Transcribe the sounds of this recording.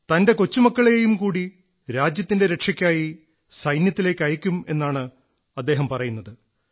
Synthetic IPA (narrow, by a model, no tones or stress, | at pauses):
t̪ɐnde̞kot͡ɕːumɐkːɐɭe̞jumkuːɽi | ɾaːd͡ʑjɐt̪ːinde̞ɾe̞kʂɐkʲːaːji | sɐjnjɐt̪ːile̞ːkʲːɐjɐkʲːume̞nːaːɳɨ | ɐd̪ːe̞ːɦɐmpɐrɐjunːɐðɨ